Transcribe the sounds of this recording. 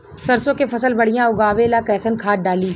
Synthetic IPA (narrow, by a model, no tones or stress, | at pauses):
sɐɾsõkepʰɐsəlbɐɽijãʊɡaːʋelakɛːsənkʰaːt̪̚ɖaːliː